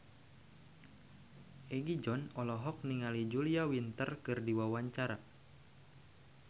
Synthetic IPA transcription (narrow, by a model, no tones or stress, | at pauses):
ʔɛɡid͡ʒɔnɔlɔɦɔk̚niŋalid͡ʒuliawint̪ərkɨrdiwawaɲt͡ʃaɾa